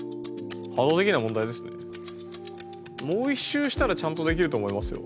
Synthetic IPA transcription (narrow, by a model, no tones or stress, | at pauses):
had̪o̞ːt̪e̞kʲinamõ̞nd̪aid̪e̞sɨne̞̰ | mo̞ːiɕːɨːɕi̥t̪aɾat͡ɕãnt̪o̞d̪e̞kʲiɾɯo̞ːmo̞imasɨjo̰